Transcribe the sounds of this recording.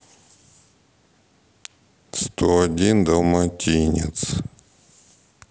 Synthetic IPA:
st̪oɐdʲind̪ɐmatʲinʲḛt̪s

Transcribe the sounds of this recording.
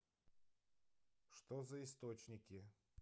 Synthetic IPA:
ʂt̪ozɐɪst̪ot͡ɕnʲɪkʲɪ

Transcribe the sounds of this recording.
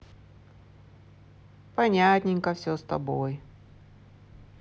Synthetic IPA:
pɐnʲat̪ʲnʲɪŋkəfsʲost̪ɐ̰boj

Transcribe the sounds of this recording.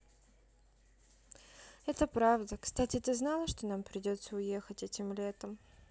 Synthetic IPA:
ɛt̪əpɾavd̪əkst̪atʲɪt̪ɨznalˠəʂt̪o̞nampɾʲɪdʲo̞t̪səʊje̞xətʲɛtʲɪmlʲe̞t̪əm

